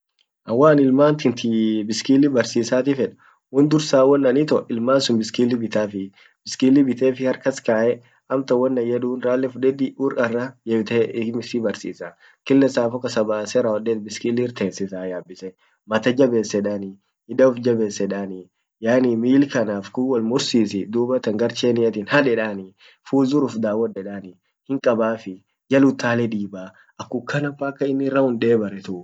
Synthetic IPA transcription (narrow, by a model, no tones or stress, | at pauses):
ʔɐwːaːnɪlmaːnt̪ɪnt̪ɪbɪskiːlːɪbɐɾsiːsaːt̪ɪfɛᶑɐ̥ | wɔnd̪ʊɾsaːwɔnːɐnit̪ɔʔɪlmaːnsʊnbɪskiːlːɪbɪt̪aːfɪ | b̥ɪskiːlːɪbɪt̪eːfɪhɐɾkɐskaːʔɛ | ɐmt̪ɐwːɐnːɐjɛd̪uːnɾaːlːɛfʊᶑɛd̪ɪʔuːɾɐrːɐjɛt̪emɪsɪbɐɾsḭːsaː | kɪlːɛsaːfɔkɐsɐbaːsɛɾɐhɔd̪eːt̪̚bɪskilːɪɪɾt̪eːnsɪsaːjaːbːɪsɛ | mɐt̪ɐd͡ʒɐbe̞ːsːɛᶑanɪ | hɪd̪ɐʊfd͡ʒɐbe̞ːsːɛᶑaːnɪ | jaːnimiːlkɐnaːfkuːwɐlmʊɾsiːsɪd̪uːbɐt̪ɐŋɡɐɾt͡ʃeːnɪjɐt̪ɪːnhɐᶑɛᶑaːnɪ | fuːzʊɾʊfd̪aːwːɔdɛᶑaːnɪ | hɪŋkʼɐbaːfɪ | jɐlʊt̪ːaːlɛd̪iːbaː | ɐkːʊkːɐnɐfːaːkːɐɪnːɪrːɐhʊnd̪e̞ːbɐɾɛt̪ʊʔʊ